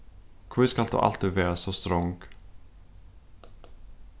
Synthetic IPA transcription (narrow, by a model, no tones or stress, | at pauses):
kʰvɪskalt̪o̰ːʔa̰lt̪iːd̪vɛːɾasɔst̪ɾɔŋɡ